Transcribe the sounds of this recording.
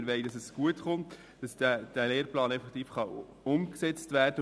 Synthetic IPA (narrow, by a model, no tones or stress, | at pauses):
ɾʋɛɪdɑsɛsɡ̥uətχʊnt | d̥ɑsd̥æd̥æleːɾplɑːnɛfɛktiːfχɑ | ʊmksɛt͡stvæːrd̥ə